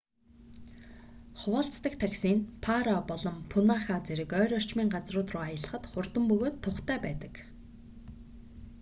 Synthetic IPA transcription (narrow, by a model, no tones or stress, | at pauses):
χwɔːɬt͡st̪ə̆kt̪ʰaksiːnpʰaɾapɔɮɞ̆mpʰunaːχaːt͡seɾɘ̆kœːɾɔr̥t͡ɕmiːŋɢat͡srʊːt̪rʊːajə̆ɮə̆χə̆t̪χʊrt̪ə̆mpɵɣoːt̪ʰːʊχt̪ʰæːpæːt̪ə̥̆k